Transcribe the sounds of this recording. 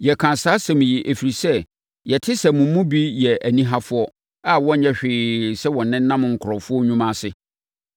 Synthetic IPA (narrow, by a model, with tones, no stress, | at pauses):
jɛ˨kʰã˨saː˦sɛ̃˨m̃˨ji˨ʔæ˨fi˨ɾi˨sɛ˦˨ | jɛ˨tʰɪ˦sɛ˨mũ˨˦mũ˦bi˦jɛ˨æ˨nĩ˦ɦa˦fʊ˦ɔ˦ | a˦wɔ̃˦ɲɲɛ̃˦ɕᶣɪː˨sɛ˦wɔ̃˨nːɪ̃˦n˦nã˦m˨ŋ̩˨kʰʊ˨ɾɔ˨fʊ˦ɔ˦ɲũ˦mã˦sɪ˦